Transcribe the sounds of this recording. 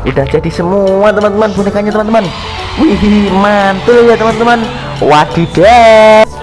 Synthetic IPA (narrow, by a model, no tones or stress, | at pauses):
ʔud̥ahd͡ʒad̥isəmuat̪əmant̪əmanbonikaɲat̪əmant̪əman | wiɦimant̪ʊljat̪əmant̪əman | wad̥i̤d̥ɛ